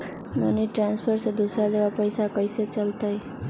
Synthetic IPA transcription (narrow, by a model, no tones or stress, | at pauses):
mo̰niʈɾanspʰəɾsed̪ʱusad͡ʒeʋapəjsakəjset͡ʃəlt̪aj